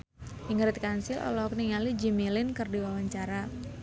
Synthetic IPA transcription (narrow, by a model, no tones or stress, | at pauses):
ʔiŋɾɪt̪̚kansɪlʔɔ̰lɔkniŋalid͡ʒimilɪnkɨrdiwawaɲt͡ʃaɾa